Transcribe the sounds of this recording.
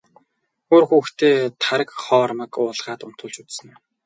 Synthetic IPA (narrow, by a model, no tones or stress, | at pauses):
oːrxuːxt̪ʰeːt̪ʰaɾə̆kχɔːrmə̆kʊːɮʁaːt̪ʊn̥t̪ʰʊ̆ːɮt͡ɕut͡ssə̆n